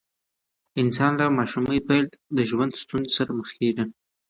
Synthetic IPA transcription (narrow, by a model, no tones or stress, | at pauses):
ɪnsɑnlamɑʃuməjpald̪d̪əʒwand̪st̪unzesaɾaməxkeɖən